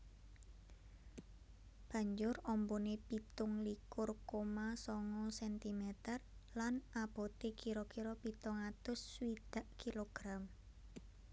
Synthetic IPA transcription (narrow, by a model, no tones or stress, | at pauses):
b̥a̤ɲd͡ʒʊrɔmbonepit̪ʊŋlikʊrkomasɔŋɔsɛnt̪imɛt̪ərlanab̥o̤t̪ekiɾɔkiɾɔpit̪ʊŋat̪ʊswid̪̥a̤ʔkiloɡ̥ɾam